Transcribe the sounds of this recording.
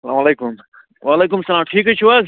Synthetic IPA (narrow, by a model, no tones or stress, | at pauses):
sɐlaːmɐleːkʊm | ʋaːleːk̬ʊmsɐlaːmʈʰiːkɦet͡ʃʰuʋaz